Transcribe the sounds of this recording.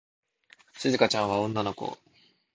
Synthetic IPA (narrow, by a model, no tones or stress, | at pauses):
ɕizɨkat͡ɕãɰ̃β̞aõ̞nːano̞ko̞̰